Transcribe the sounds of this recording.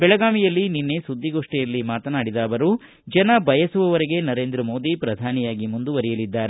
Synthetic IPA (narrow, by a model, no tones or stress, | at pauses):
bɛɭɐɡaːmijɐlːininːesud̪ʱːiɡo̞ːʂʈɛjɐlːimaːt̪ɐnaːɽid̪aːʋɐɾu | d͡ʒɐnɐbʱɐjɐsuʋɐʋɐɾeɡe̞nɐɾe̞ːnd̪ɾɐmo̞ːd̪ipɾɐd̪ʱaːnijaːɡimund̪uʋɐɾijɐlid̪ːaːɾe